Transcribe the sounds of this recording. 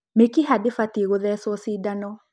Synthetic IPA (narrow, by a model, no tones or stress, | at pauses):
mekiɦadefatiɣoðɛsɔsidanɔ